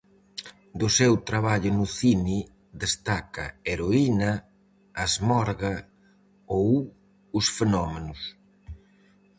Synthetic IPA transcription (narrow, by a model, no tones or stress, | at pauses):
d̪ʊsewt̪ɾaβaʎʊnʊθini | d̪est̪akɐ̰eɾoinɐ | azmɔɾɣɐ | ow | ʊsfenɔmenʊs